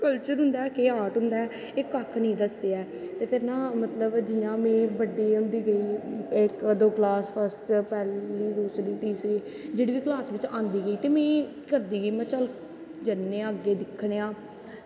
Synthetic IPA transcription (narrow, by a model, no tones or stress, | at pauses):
kəlt͡ʃəɾɦʊ̃nd̪aːkeːaːʈɦʊ̃nd̪aɛː | ɪkːəkʰnĩːd̪əsd̪eːɛː | t̪eːpʰɪɾnãːmət̪ləbd͡ʒɪjãːmẽːbəɖːiːɦʊ̃nd̪iːɡəiːɪkd̪oːklaːspʰəsʈpɛːliːd̪uːsɾiːt̪iːsiː | d͡ʒeːɽiːʋiːklaːsʋɪt͡ʃãːnd̪iːɡəiːt̪eːmẽː | kəɾd̪iːɡəiːmɛ̃ːt͡ʃəl | d͡ʒənːẽːəɡːeːd̪ɪkʰːɽeːãː